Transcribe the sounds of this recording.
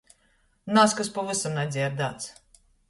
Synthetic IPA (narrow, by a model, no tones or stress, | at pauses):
naskaspɔvɨsamnad̪zʲiaɾd̪aːt̪s